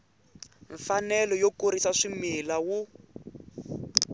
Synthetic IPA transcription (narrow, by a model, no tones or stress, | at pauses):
ɱfanɛlɔjokoɾisaʂimilawu